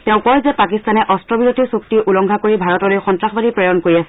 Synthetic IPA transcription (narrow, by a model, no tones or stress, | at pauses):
tɛʊ̃kɔɹzɛpakistanɛʔɔstɹɔbiɹotʰisuktiʔulɔŋɡʱakoɹibʱaɹɔtɔlojxɔntɹaxbadipɹɔjɔnkoɹiasɛ